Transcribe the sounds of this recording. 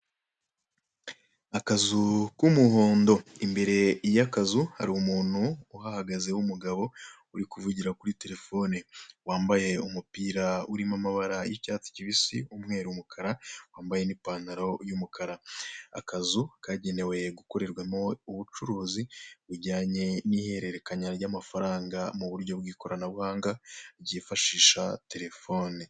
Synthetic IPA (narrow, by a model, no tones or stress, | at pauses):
akazukumuɦoːndo̞imbe̞ɾe̞jakazuha̰ɾiumuːn̥huːɦahaɡaze̞wumuɡaβo̞ | uɾikuvuɟiɾakuɾite̞ɾe̞fo̞niwaːmbaje̞umupiːɾauɾimamaβaɾajicaːt͡si̥ciβisḭumŋe̞ːɾuumukʰaɾawaːmbaje̞nipaːnaɾo̞jumukʰaɾaa̰kazukʰaɟe̞ne̞we̞ɡuko̞ɾe̞ɾɡwamouβut͡ʃuɾuːziβuɟaːɲe̞nihe̞ɾe̞ɾe̞kaɲaɾɟamafaɾaːŋɡamuβuɾɟo̞bɡiːko̞ɾanaβuhaːŋɡaɾɟifaʃiːʃate̞ɾe̞fo̞ːni